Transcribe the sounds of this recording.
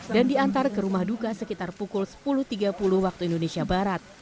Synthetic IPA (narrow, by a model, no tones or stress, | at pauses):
dandiant̪arkəɾumahdukasəkit̪arpukʊlsə̥pulʊht̪iɡapulʊhwak̚t̪uindonesiabaɾat̪̚